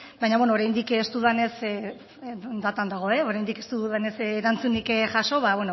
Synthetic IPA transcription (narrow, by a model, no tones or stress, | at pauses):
bajɲaβwenoːɾajnd̪ikest̪uðane̞s | d̪at̪and̪aɣ̞o̞e̞o̞ɾajnd̪ike̞st̪uðuðane̞sːɾant͡sunikʝaso̞βaβweno